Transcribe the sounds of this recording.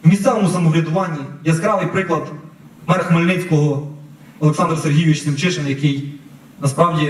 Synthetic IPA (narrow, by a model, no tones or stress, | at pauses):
wmʲissɛʋɔmusɐmɔʋɾʲɐd̪ʊʋɑnʲːijɐzkɾɑʋɪjpɾɪklˠɐd̪ | mɛrxmɔlʲnɪt͡sʲkɔɦɔ | ɔlˠeksɑnd̪ɾɐserɦʲijʊʋʲit͡ʃnʲɪwt͡ʃɪʃenjɐkɪj | nɐspɾɑwdʲi